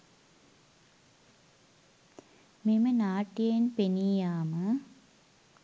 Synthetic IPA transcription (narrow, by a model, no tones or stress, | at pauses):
mimɐnaːʈːijenpenijaːmə